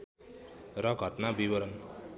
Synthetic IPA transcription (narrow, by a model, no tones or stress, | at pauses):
ɾʌɡʱʌt̪nabiʋəɾʌn